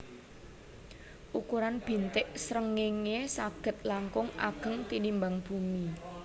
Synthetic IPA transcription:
ʔukuɾanb̥i̤nt̪ɪʔsɾəŋeŋesaɡ̥ə̤t̪̚laŋkʊŋʔa̰ɡ̥ə̤ŋt̪inimbaŋb̥ṳmi

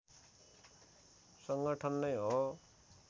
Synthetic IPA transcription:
sʌŋɡʌʈʰʌnːʌjɦo

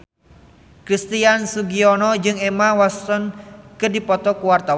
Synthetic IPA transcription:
kɾist̪iansuɡiɔnɔd͡ʒɨŋɛmawast̪ɔnkɨrdipɔt̪ɔkuwart̪aw

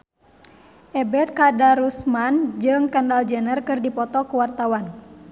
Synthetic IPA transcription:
ʔɛbɛt̪̚kadaɾusmand͡ʒɨŋkəndald͡ʒɛnərkɨrdipɔt̪ɔkuwart̪awan

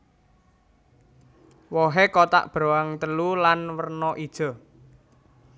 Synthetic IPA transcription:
wɔɦekɔt̪a̰ʔb̥ɾoaŋt̪əlulanwərnɔʔid̥ʒ̥ɔ̤

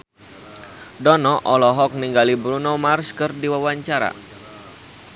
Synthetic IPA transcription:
dɔnɔʔɔlɔɦɔk̚niŋɡalibɾunɔmarskɨrdiwawaɲt͡ʃaɾa̰

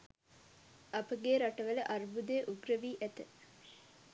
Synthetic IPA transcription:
apəɡeːɾaʈəʋələʔarbud̪eːʔuɡrəʋiːʔæt̪ə

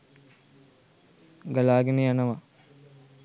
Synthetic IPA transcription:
ɡɐlaːɡenejanəʋa

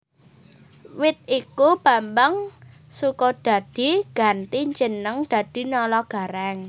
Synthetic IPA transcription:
wɪt̪̚ikub̥ambaŋ | sukɔd̥a̤d̪̥i̤ɡ̥a̤nt̪iɲd͡ʒənəŋd̪̥ä̤d̪̥i̤nɔlɔɡ̥a̤ɾɛŋ

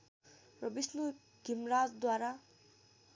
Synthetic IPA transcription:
rʌbisnu | ɡ̥ʱimɾat͡sd̪waɾa

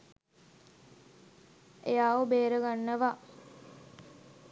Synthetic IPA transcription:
ejaːʋobeːɾəɡanːəʋa

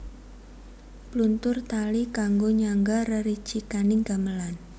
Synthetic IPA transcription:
plunt̪ʊrt̪alikaŋɡoɲaŋɡarəɾi̥t͡ʃikanɪŋɡaməlan

